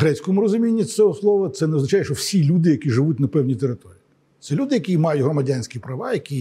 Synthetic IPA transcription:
ɦɾɛt͡sʲkɔmʊɾɔzʊmʲinʲːit͡sʲɔɦɔslˠɔʋɐt̪sɛnɛɔznɐt͡ʃajɛʃt͡ʃɔwsʲilʲud̪ɪjɐkʲiʐɪʋutʲnɐpɛwnʲijt̪eɾɪt̪ɔɾʲiː | t̪sɛlʲud̪ɪjɐkʲimɑjʊtʲɦɾɔmɐdʲanʲsʲkʲipɾɐʋɑjɐkʲi

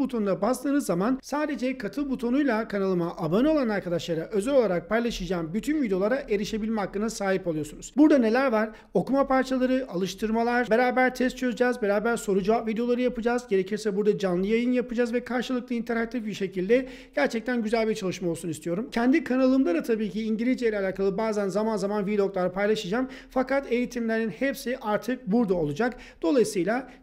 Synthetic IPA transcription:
but̪ʰo̞nud̪abast̪ʰɯːnɯzːamansaːd̪e̞d͡ʒɛkʰat̪ʰɯlˠbut̪ʰo̞nujlˠakʰanalˠɯmaʔabanɯo̞lˠanaɾkʰad̪aʃlˠaɾaʔøzɛlʲo̞lˠaɾak̚pʰajlˠaʃɯd͡ʒaːnbyt̪ʰynvid̪eo̞lˠaɾaʔe̞ɾiʃe̞bilʲmɛɦakːɯnasaːɦipo̞lˠujo̞sunuz̥buɾd̪ane̞lʲæɾvaɾ | o̞kumapʰaɾt͡ʃʰalˠaɾɯʔalˠɯʃt̪ʰɯɾmalˠaɾ̥be̞ɾaːbæɾt̪ʰɛst̪̚t͡ʃʰø̞zyd͡ʒaːzbe̞ɾaːbæɾso̞ɾud͡ʒuvapvid̪ejo̞lˠaɾɯjapɯd͡ʒaːzɟe̞ɾe̞cʰiɾsɛbuɾd̪ad͡ʒanlˠɯjajɯnjapɯd͡ʒaːzvɛkʰaɾʃɯlˠɯk̚lˠaint̪ʰeɾak̚t̪ʰʲifbiɾʃe̞cʰilʲd̪ɛ | ɟ̥æɾt͡ʃʰɛc̚t̪ʰænɟyzælʲbiɾt͡ʃʰalˠɯʃmaolˠsunist̪ʰijo̞ɾumcʰɛnd̪ikʰanalˠɯmlˠaɾat̪ʰabiːcʰiːɲɟilʲizd͡ʒilʲalʲaːkʰalˠɯbaːzænzamanzamanvilʲoklˠaɾɯpʰajlˠaʃɯd͡ʒamfakʰat̪e̞jit̪ʰimlʲeɾinhɛpsiʔaɾt̪ʰɯk̚buɾd̪ao̞lˠud͡ʒak | d̪̥o̞lˠajisɯjlˠa

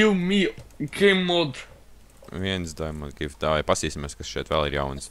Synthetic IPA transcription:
umikemːod̪ | viɛnsd̪ajmɔd̪ɡift̪aːvajpasiːsʲimeɛskasʃɛɛt̪ʋɛlˠiɾja̰wns

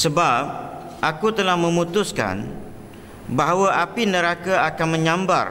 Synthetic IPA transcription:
səbap̚ | ʔakut̪əlahmə̃mũt̪uska̰n | baɦawaʔapinə̃ɾakaakanmə̃ɲãmba̰r

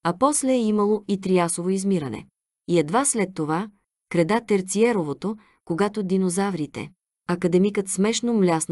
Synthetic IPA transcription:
ɐpɔslɛːimɐlˠoit̪ɾiasovoizmiɾənɛ̰ | iɛd̪vaslɛt̪ːova | kɾɛd̪at̪ɛɾt̪siɛɾovot̪o | koɡat̪od̪inozavɾit̪ɛ̰ | ɐkɐd̪ɛmikət̪smɛʃnomlʲasn

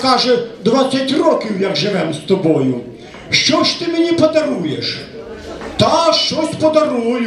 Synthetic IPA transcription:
kɑʒɛd̪ʋɑt͡sʲːɐtʲrɔkʲiwjɐɡʒɪʋɛmst̪ɔbɔjʊ | ʃt͡ʃɔʃt̪ɪmenʲipɔd̪ɐɾujeʃ | t̪ɑʃt͡ʃɔsʲpɔd̪ɐɾujʊ

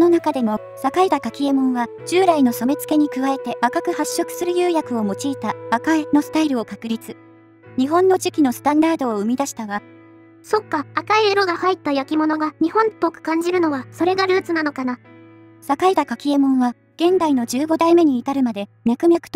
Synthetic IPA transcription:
ononakad̪e̞mo̞ | sakaid̪akakʲie̞mõ̞ɰ̃βa | d͡ʑɨːɾaino̞so̞me̞t͡sɨ̥ke̞ɲ̟ikɯ̟βae̞t̪e̞bakakɯ̟haɕːo̞kɯ̟̥sɨɾɯ̟jɯːjakɯ̟o̞mo̞t͡ɕiːt̪abakaino̞sɨ̥t̪aiɾɯ̟o̞kakɯ̟ɾʲit͡sɨ̥ | ɲ̟iɦõ̞nːo̞ʑikʲino̞sɨ̥t̪ãnd̪aːd̪o̞ːɯ̟mʲid̪aɕi̥t̪aɡa | so̞kːaːkaieɾo̞ɡahait̪ːajakʲimo̞no̞ɡaɲ̟ihõ̞npːokɯ̟̥kãɲ̟d͡ʑiɾɯ̟no̞βaso̞ɾe̞ɡaɾɯ̟ːt͡sɨnano̞kana | sakaid̪akakʲie̞mõ̞ɰ̃βa | ɡ̥ẽ̞nd̪aino̞d͡ʑɨːɡo̞d̪aime̞ɲ̟iːt̪aɾɯ̟mad̪e̞mʲakɯ̟mʲjakɯ̟̥t̪o

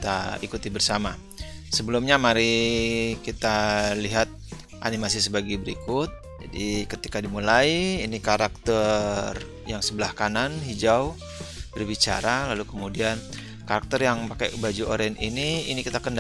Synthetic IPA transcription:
kt̪aikut̪ibərsama | səbəlumɲamaɾi | kit̪aliɦat̪̚ | ʔa̰nimasisəbaɡabəɾikʊt̪̚ | d͡ʒa̰dikət̪ikadimulajiːnikaɾak̚t̪ər | jaŋsəbəlahkananɦid͡ʒaw | b̥ərbit͡ʃa̰ɾalalukəmudian | kaɾak̚t̪ərjaŋpakabad͡ʒuʔoɾɛniniinikit̪akənd

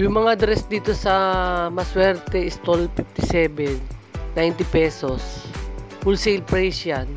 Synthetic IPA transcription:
jʊŋmɐŋad̪ɾɛsd̪iːt̪o̞sɐmɐswɛɾt̪ɛɪst̪olfɪft̪ɪsɛːbɛnː | ajnt̪ɪpɛːsos | fʊlsejlpɹɛjsjan

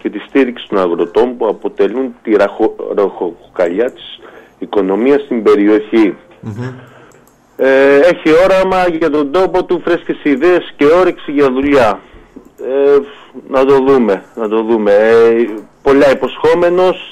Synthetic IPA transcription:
ce̞t̪ist̪iɾiksi̥t̪o̞nɐɣɾo̞t̪o̞mpuɐpo̞t̪e̞lunt̪iɾɐɾoxokɐʎɐt̪i̥s | iko̞no̞miɐst̪imbe̞ɾio̞çi | e̞çio̞ɾɐmɐʝɐt̪o̞nd̪o̞po̞t̪ufɾescesiðeesce̞o̞ɾiksiʝɐðuʎɐ | enɐt̪o̞ðume̞nɐt̪o̞ðume̞ | po̞lɐipo̞sxo̞me̞no̞s

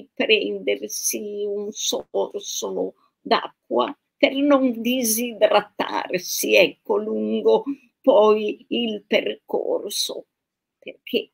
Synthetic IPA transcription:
pɾɛnd̪ersiunsorsolo | d̪a̰kːwa̰ | pernond̪izid̪ɾat̪ːa̰rsiɛkːoluŋɡo | pɔjilperko̰rso̰ | perkʰe

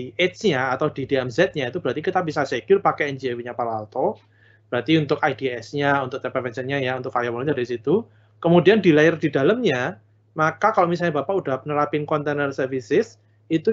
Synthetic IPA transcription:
et̪t͡ʃɲaːt̪awdidiɛmzɛt̪̚ɲait̪ubəɾat̪ikit̪abisasekɪrpakɛɛnd͡ʒiɛwiɲapalalt̪ɔ | b̥əɾat̪iunt̪ʊkajdiɛsɲaunt̪ʊk̚t̪əpɛfɛnsənɲajaunt̪ʊk̚fajawalɔɲaɾisit̪u | kəmudiandilaɪrd̥ida̤ləmɲa | makakalomisalɲabapaudahpənəɾapɪnkɔnt̪enərsərfisɪs | it̪u

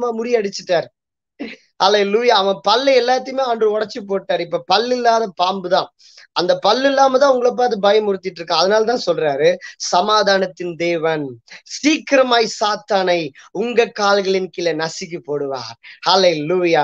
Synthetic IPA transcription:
maːmʊɾɪjɐɽɯt͡ʃːɯʈːaːɾ | hɐleluːjaːʋɐ̃pɐlːɐɛlːaːt̪̬ːɪjmeːandrɯɔɽɐt͡ʃːɯp̬oːʈːaːɾɪpːoːpɐlːɪlːaːðɐpaːmbɯt̪ãː | ɐnd̪ɐpɐlːɪlːaːmɐt̪ãːʊŋɡɐɭɐp̬ːaːt̪̬ɯbɐjɐmʊɾɯt̪ːɪʈːɾɯkːãːɐðɐnaːlɐt̪ãːsɔlraːɾɯsɐmaːðaːnɐt̪ːɪnd̪eːʋɐnsiːkɪɾɐmaːjsaːt̪ːaːnɐɪʊŋɡɐkːaːlɣɐɭɪnkɪlɐnɐsɪk̬ːɯpoːɽɯʋa̰ːɾhɐleluːjaː

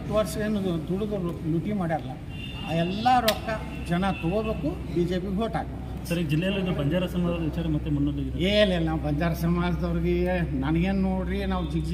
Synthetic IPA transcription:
t̪ːuʋɐɾsɐeːnːud̪uɽuɡoluʈimaːɽiɐlːɐ | a̰ːɛlːɐɾɔkːɐ | d͡ʒɐnɐt̪ɔɡobe̞ːku | biːd͡ʒeːpiɡɦoːʈaːɡe | sɐɾid͡ʒilːɛjɐlːid̪ubɐɲd͡ʒaːɾɐsɐmaːd͡ʒɐd̪ɐʋit͡ʃaːɾɐmɐt̪ːumɐnːolːeɡid̪elɛlnabɐɲd͡ʒaːɾɐsɐmaːd͡ʒɐd̪ɐʋɐɾɡenɐnɐɡennoːɽɾinaːʋd͡ʒiɡ

